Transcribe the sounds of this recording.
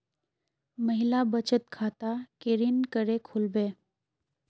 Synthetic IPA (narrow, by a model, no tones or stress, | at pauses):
məɦɪlabət͡ʃət̪̚kʰaːt̪akeɾinkəɾekʰulbeː